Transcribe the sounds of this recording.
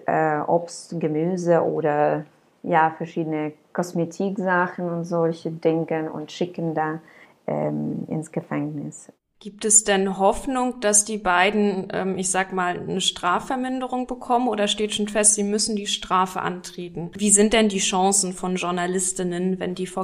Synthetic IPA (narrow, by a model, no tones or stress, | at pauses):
ʔɛːʔɔpstɡəmyːzəʔoːdɐ | jaːfɛɐʃiːdənəkʰɔsmetʰiːkzaxn̩ʊntz̥ɔlçədɪŋəʊ̰ntʃɪkəndaː | ʔɛ̰mʔɪ̰nsɡ̥əfɛŋnɪs | ɡ̥iːp̚tɛsd̥ɛnɦɔfnʊŋd̥asd̥iːbaɪdn̩ʔɛ̰ːmɪçz̥aːɡəmaːlnəʃtʁ̥aːfɛɐmɪndəʁʊŋbəkʰɔmənʔoːdɐʃteːtʃoːnfɛstz̥iːmʏsn̩diːʃtʁ̥aːfə̰ʔa̰ntʁ̥eːtn̩viːzɪnt̚d̥ɛndiːʃɔ̃sn̩fɔnʒʊɐnalɪstɪnənvɛ̰ndiːfo